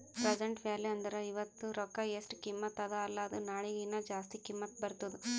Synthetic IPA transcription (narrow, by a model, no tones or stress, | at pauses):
pɾɐd͡ʒɐɳʈʋjaːljuɐnd̪ɐɾɐiʋɐt̪ːuɾɔkːɐjesʈkimːɐt̪ɐd̪ɐːlːɐːd̪unaːɭiɡinːɐd͡ʒaːst̪ikimːɐt̪bɐɾt̪ːɐd̪u